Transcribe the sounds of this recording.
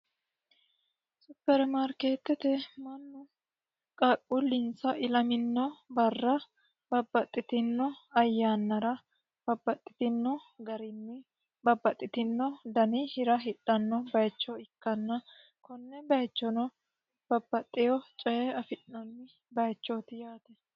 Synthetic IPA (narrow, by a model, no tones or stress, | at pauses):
sʊbːɛɾɛmɐɾkeːt̪ːɛt̪ɛmɐnːʊ | kʼɐkʼːʊlɪnsɐʔɪlɐmɪnːɔbɐrːɐ | b̥ɐbːɐt̪ʼːɪt̪ɪnːɔɐjːaːnːɐɾɐ | b̥ɐbːɐt̪ʼːɪ̥t̪ɪnːɔɡɐɾɪnːɪ | bɐbːɐt̪ʼːɪt̪ɪnːɔd̪ɐnɪhɪɾɐɦɪᶑːɐnːɔbɐjt͡ʃːɔɪkːɐnːɐ | kɔnːɛbɐjt͡ʃːɔnɔ | b̥ɐbːɐt̪ʼːɪjɔt͡ʃʼɛjɛɐfɪɗnɐnːɪ | bɐjt͡ʃːɔt̪ɪjaːt̪ɛ